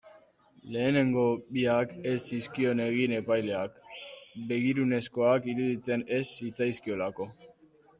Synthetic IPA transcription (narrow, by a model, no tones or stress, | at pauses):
le̞ːne̞ŋɡo̞biake̞siskio̞ne̞ɣine̞pajle̞akbe̞ɣiɾune̞sko̞akiɾuðit͡se̞ne̞sit͡sajskio̞lako̞